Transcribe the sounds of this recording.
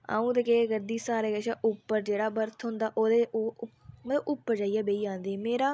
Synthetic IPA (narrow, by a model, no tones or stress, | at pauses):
a̰ːũːt̪əkeːɡəɾd̪iːsaːɾeːɡəʃaːʔʊpːəɾd͡ʒeːɽaːbəɾt̪ʰɦʊ̃nd̪aːʔoːd̪eː | məəbʊpːəɾd͡ʒaːijaːbeːiːd͡ʒãːnd̪eːmeːɾaː